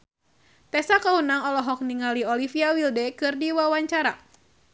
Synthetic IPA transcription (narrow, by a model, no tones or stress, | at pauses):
t̪ɛsakaunaŋɔlɔɦɔk̚niŋaliɔlifiawildɛkɨrdiwawaɲt͡ʃaɾa